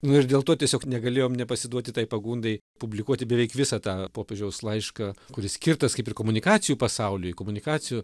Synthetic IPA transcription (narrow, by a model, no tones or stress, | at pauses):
nʊɪrd̪ʲeːlˠt̪oːtʲiɛsʲoːknʲɛɡɐlʲeːjoːmnʲɛpɐsʲɪd̪uɔt̪ʲɪt̪ɐɪpɐɡuːnd̪ɐɪ | pʊbʲlʲɪkuɔt̪ʲɪbʲɛʋʲɛɪkʋʲɪsɐt̪ɑːpoːpʲeːʒʲɛʊslˠɐɪʃkɑːkʊɾʲɪssʲkʲɪrt̪ɐskɐɪpɪrkomʊnʲɪkɑːt͡s̪ʲɪjuːpɐsɐʊlʲʊjkoːmʊnʲɪkɑːt͡ssʲɪjuː